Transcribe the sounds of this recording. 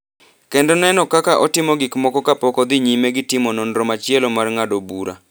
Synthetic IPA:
kɛndɔnɛnɔkakaʔɔtɪmɔɡɪkmɔkɔkapɔkɔd̪ɪɲimeɡɪtɪmɔnɔnɾɔmat͡ʃɪɛlɔmarŋadobuɾa̰

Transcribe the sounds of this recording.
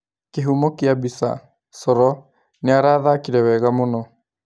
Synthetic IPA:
keɦumokiabisa̰ | sɔɾɔ | neaɾaːðakiɾɛwɛɣamonɔ

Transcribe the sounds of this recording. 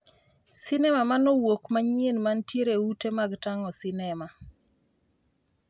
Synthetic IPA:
sinɛmamanɔwokmaɲienmantjeɾeutemaɡtaŋɔsɪnɛma

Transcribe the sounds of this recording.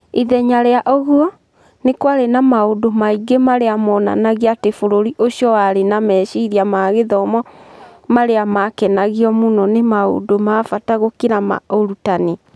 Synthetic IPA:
iðɛɲaɾeaʔɔɣwɔ | nekwaɾenamaodomaiɡemaɾeamɔːna̰naɣiatefoɾoɾiʔoɕjɔwaɾenamɛːʃiiɾiamaɣeðɔmɔmaɾeamakɛnaɣiɔmonɔnemao̰domaːfataɣokeɾama̰oɾutane

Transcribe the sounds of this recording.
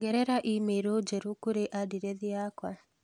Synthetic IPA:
ɡɛɾɛɾaʔimeɾod͡ʒɛɾokoɾeʔadiɾɛðiakwa

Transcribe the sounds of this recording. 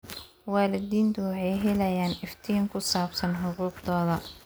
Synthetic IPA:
waːlɪd̪iːnt̪ʰʊwɑħɑjɦɛlɐjaːnɪft̪ʰijŋkʰʊsaːbsɐnħʊquːqd̪ɔːðɐ

